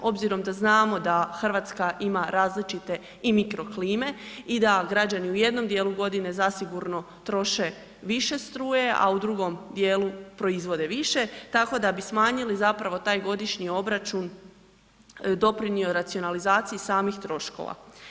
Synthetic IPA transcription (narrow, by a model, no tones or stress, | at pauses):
o̞bziɾo̞md̪aznaːmo̞d̪axr̩ʋaːt̪skaʔimaɾaːzlit͡ʃit̪e̞ | imikɾo̞kliːme̞id̪aɡɾad͡ʑaniuje̞d̪no̞md̪jeːlˠuɡo̞d̪ine̞zasiɡuɾno̞ | t̪ɾo̞ʃe̞ | ʋiʃe̞st̪ɾuːje̞ʔa̰ud̪ɾuɡo̞md̪je̞ːlˠupɾo̞izʋo̞d̪e̞ʋiʃe̞t̪ako̞d̪abismaːɲilizapɾaʋo̞t̪aːjɡo̞d̪iʃɲio̞bɾat͡ʃun | d̪o̞pɾinioɾat̪sio̞nalizaːt̪sijisaːmixt̪ɾo̞ʃko̞̰ʋa̰